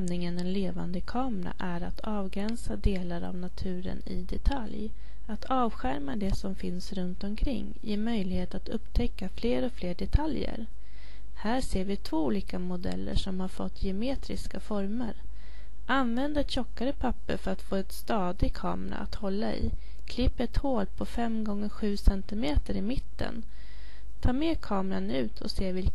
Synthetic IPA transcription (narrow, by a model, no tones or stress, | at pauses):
mnɪŋənɛnleːva̰nd̪əkʰɑːmɾa̰ʔæɾat̪ʰɑːvɡɾɛnsad̪eːlaɾa̰vnat̪ʰʉ̟ːɾə̰nɪ̰d̪ɛt̪ʰalj | at̪ʰɑːvɧæɾmad̪ɛsɔmfɪnsɾɵnt̪ɔmkʰɾɪ̰ŋːjeːmœjlɪheːt̪at̪ɵpːt̪ʰɛkːafleːɾɔfleːɖɛt̪ʰaljə̰ɾ | hæːseːɾvɪt̪ʰv̥oːuːliːkamʊd̪ɛ̰lːə̰ʂɔmhaɾfɔ̰t̪ːjɛmeːt̪ɾɪ̰skafɔɾməɾ | ʔanvɛnd̪aɛt̪ɕɔkːaɾəpʰapːə̰ɾfœɾat̪foːɛt̪st̪ɑːd̪ɪkʰɑ̰ːmɾa̰a̰t̪hɔlːaɪ̰ | kʰlɪpːɛt̪hoːlpʰɔfɛmɡɔŋːəɾɧʉ̟ːsɛnt̪ɪmeːt̪əɾɪmɪt̪ːə̰n | t̪ʰɑːmeːkʰɑːmɾanʉ̟ːt̪ʰɔ̰seːvɪl